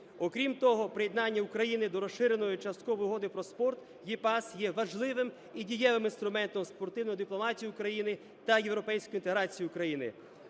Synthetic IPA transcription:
ɔkɾʲimt̪ɔɦɔpɾɪjed̪nɑnʲːɐukɾɐjinɪd̪ɔɾɔʃɪɾenɔjʊt͡ʃɐst̪kɔʋɔjʊɦɔd̪ɪpɾɔspɔrt̪ | jipɑsjɛʋɐʒlˠɪʋɪm | idʲijɛʋɪminst̪ɾʊmɛnt̪ɔmspɔrt̪ɪwnɔjd̪iplˠɔmɑtʲijʊːkɾɐjinɪ | t̪ɐjewɾɔpɛjsʲkʊɔjint̪eɦɾɑt͡sʲijʊʊkɾɐjinɪ̰

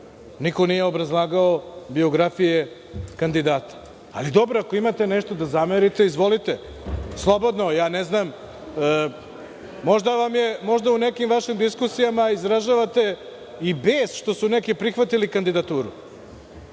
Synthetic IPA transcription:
niko̞nije̞o̞bɾazlˠaːɡaobio̞ɡɾafije | kand̪id̪aːt̪ḁ̰ː | lid̪o̞bɾoako̞imat̪eneʃt̪od̪azameɾit̪e̞izʋo̞lit̪e | slˠo̞bo̞d̪nojaːneznam | mo̞ʒd̪aʋamje̞mo̞ʒd̪aunekimʋaʃimd̪iskusijamaizɾaʒaʋat̪e̞ | ibeːsʃt̪o̞sunekipɾixʋat̪ilikand̪id̪at̪uːɾṵ

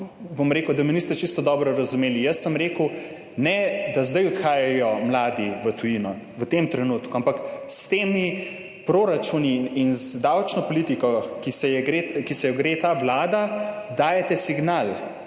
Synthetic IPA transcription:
bomɾeːkəwd̪ɐminist̪ɛt͡ʃist̪ɔd̪ɔbɾɔɾɐzumeːlijəsːəmɾeːkuw | nɛd̪azd̪ajɔt̪xaːjajɔmlaːd̪iʋət̪ujinɔ | ʋət̪emt̪ɾɛnuːt̪kuampakst̪eːmi | pɾoɾat͡ʃuniːnzd̪awt͡ʃnɔpɔlit̪ikɔkisɛjɛɡɾekisɛjɔɡɾeːt̪aːʋlaːd̪ad̪aːjɛt̪ɛsiɡnal

